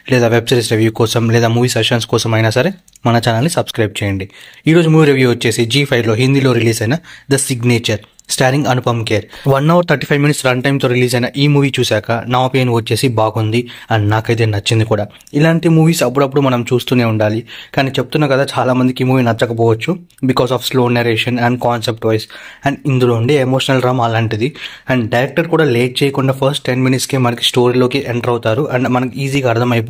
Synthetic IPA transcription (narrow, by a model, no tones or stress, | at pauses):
lɛːd̪aːʋe̞bsɐɾisɾe̞ʋjuːkɔːsɐmlɛːd̪aːmuːʋiːsekʂɐnskɔːsɐmɐjnaːsɐɾe | mɐnɐt͡ʃɐnaːlnisɐbskɾɐjb̚t͡ʃɛːjɐɳɖiiːɾo̞ːd͡ʒumuːʋiːɾeʋjuʋɐt͡ʃːe̞ːsid͡ʒiːpʰɐjʋlo̞ːɦind̪ilo̞ːɾiliːsɐjnad̪ɐsiɡneːt͡ʃɐɾ | sʈaːɾiŋɡɐnupɐmkeːɾʋɐnːɐʋɐɾt̪ʰɐɾʈiːpʰɐjʋminiʈsɾɐɳʈɐjmt̪o̞ːɾiliːs̬ɐjnaːʔiːmuːʋiːt͡ʃuːsaːkɐnaʋɐpeːnuʋɐt͡ʃːe̞ːsibaːɡund̪iɐninaːkɐjt̪̬e̞ːnɐt͡ʃːind̪ikuːɽaː | ilaːɳʈimuːʋiːsɐpːuɽɐp̬ːuɽumɐnɐmt͡ʃuːst̪uːne̞ːuɳɖaːlikaːniːt͡ʃe̞p̚ut̪unːaːkɐd̪aːt͡ʃaːlaːmɐnd̪ikiːmuːʋiːnɐt͡ʃːɐkɐp̬ɔːʋɐt͡ʃːu | bikɔːsaːfsloːneɾeːʂɐnɐɳɖkaːnsep̚ʈʋɐjsɐɳɖind̪uloːuɳɖeːemo̞ːʂɐnɐlɾɐmɐlaːɳʈid̪iɛɳɖɖɐjɾɛk̚ʈɐɾkuːɽaːleːʈ̚t͡ʃejɐkuɳɖaːpʰɐɾsʈːenminiʈskeːmɐnɐki̥sʈo̞ːɾiːlo̞ːkiʔeɳʈɾɐwt̪aːɾuʔɐɳmɐnɐkiiːziːɡaːɐɾd̪ʰʱɐmɐjpː